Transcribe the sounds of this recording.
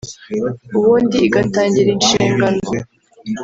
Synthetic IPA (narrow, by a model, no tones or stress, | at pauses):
uβuːndiːɡataːɲɟiɾinʃiːŋɡano